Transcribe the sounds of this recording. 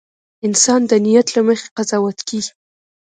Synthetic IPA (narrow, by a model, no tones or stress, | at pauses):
ɪnsɑnd̪ənijat̪laməxe̥qazɑwat̪keɡi